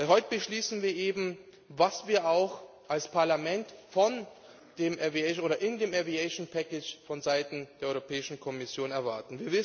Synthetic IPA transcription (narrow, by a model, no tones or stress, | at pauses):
ɦɔʏtəbəʃliːsn̩viːɐʔeːbm̩ | vasv̥iːɐʔaʊx | ʔalspʰaɐlamɛntfɔn | d̥eːmʔɛviɛʔoːɾɐʔɪndeːmɛviɛʃonpʰɛkɪt͡ʃfɔnzaɪtn̩d̥eːɐɔʏʁopʰɛːɪʃn̩kʰɔmɪsjoːnɛɐvaɐtn̩viːɐvɪs